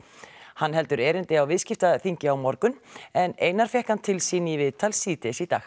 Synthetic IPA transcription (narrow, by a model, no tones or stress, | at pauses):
hanːɦɛlt̪ʏɾɛːɾɪnt̪ɪawvɪðscɪft̪aθiɲcɪawmɔɾkʏnɛneːjnaɾ̥fjɛhkant̪ʰɪlsiːnivɪðt̪ʰalsiːt̪ʰɛsit̪a̰ːx